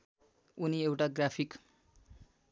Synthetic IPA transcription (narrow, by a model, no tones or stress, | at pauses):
uniewʈaɡrapʰik